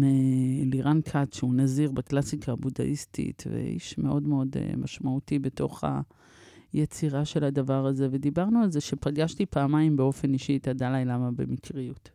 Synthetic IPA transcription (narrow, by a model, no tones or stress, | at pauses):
meliʁankʰatʃeunaziʁbaklasikʰaːbuda̰ʔistʰḭtvḛḭʃme̞ʔo̞dmeo̞dḛmʔaʃmautibeto̞χa̰ | jet͡siʁaʃe̞ladavaʁaze̞ve̞d̪ibaʁnualze̞ʃe̞paɡaʃtipaːmajimbeo̞fe̞niʃit̪adalajlamabe̞̰mikʰʁiut